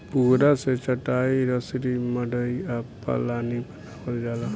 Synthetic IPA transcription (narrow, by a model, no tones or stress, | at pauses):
puɦɾaset͡ʃəʈaːiɾəsɾiməɽəiapːa̰laːnipənapəld͡ʒaːla